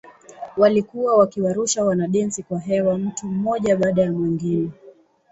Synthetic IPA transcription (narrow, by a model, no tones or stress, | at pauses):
walikuwawakiwaɾuʃawanaɗɛnsikwaɦɛwam̩tum̩mɔʄaɓaːɗajamwɛŋɡini